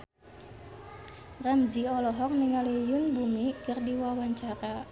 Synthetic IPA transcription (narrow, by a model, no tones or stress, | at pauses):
ramziɔlɔɦɔk̚niŋalijʊnbumikərdiwawaɲt͡ʃaɾa